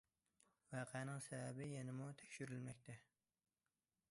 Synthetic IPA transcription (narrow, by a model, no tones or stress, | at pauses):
vɑːqʰɛnɪŋsɛbæbɪjɛnɪmut̪ʰɛ̥kʲʃyɾylmɛkʲt̪ʰɛ